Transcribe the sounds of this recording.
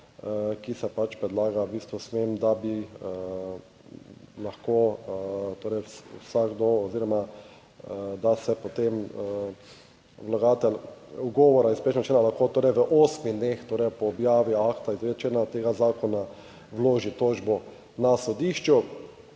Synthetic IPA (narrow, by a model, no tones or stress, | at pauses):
kisɛpat͡ʃpɾɛd̪laːɡabiːst̪ʋɔsmemd̪abi | laxko | t̪oːɾɛjsṵsaɡd̪oɔziːɾɔma | d̪asɛpot̪emə | ʋlaɡaːt̪ɛluɡɔːʋɔɾaispeːʃnɔt͡ʃenalaxkot̪oːɾɛjʋəʔoːsmid̪next̪oːɾɛjpɔːbjaːʋiakt̪aizet͡ʃeːnat̪eːɡazaːkɔna | ʋloːʒit̪oːd͡ʒbɔ | nasɔd̪iːʃt͡ʃu